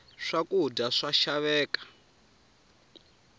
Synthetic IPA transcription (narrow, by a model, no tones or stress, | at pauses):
ʂakʼudaʂaʃaβɛːkḁ